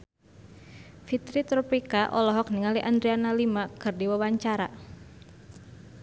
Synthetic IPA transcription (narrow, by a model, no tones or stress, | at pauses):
fit̪ɾit̪ɾɔpikaʔɔ̰lɔɦɔk̚niŋaliʔand̪ɾianalimakɨrdiwawaɲt͡ʃaɾa